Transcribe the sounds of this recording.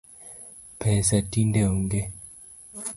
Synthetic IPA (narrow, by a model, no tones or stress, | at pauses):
pʰɛsatindeoŋɡe